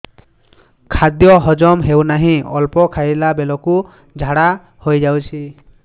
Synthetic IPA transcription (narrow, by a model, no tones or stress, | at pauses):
kʰad̪jɔɦɔd͡ʒɔmɦewnaɦĩɔlpɔkʰajlabelɔku | d͡ʒʱaɽa | hojd͡ʒawt͡ʃʰi